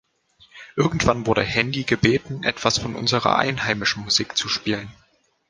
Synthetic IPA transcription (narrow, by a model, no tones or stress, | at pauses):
ʔɪɐɡŋ̩tv̥anvʊɐɾə̰hɛndiɡəbeːtn̩ʔɛ̰tv̥asfɔnʔʊ̰nzəʁɐ̰ʔa̰ɪnhaɪmɪʃn̩muziːkt͡suʃpiːlən